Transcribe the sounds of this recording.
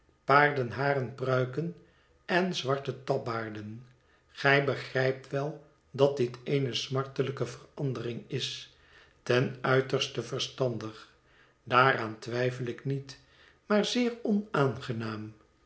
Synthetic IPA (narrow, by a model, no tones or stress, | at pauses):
paːɹdənɦaːrənprœɥkən | ɛnzʋɑɹtətɑbaːɹdən | χɛjbəχrɛjp̚tʋɛlˠ | dɑt̚dɪtejnəsmɑɹtələkəvərɑndərɪŋɪs | tɛnœɥtəɹstəvəɹstɑndəχ | daːɾaːntʋɛjfəlɪknit | maːɹzɪːrɔnaːnχənaːm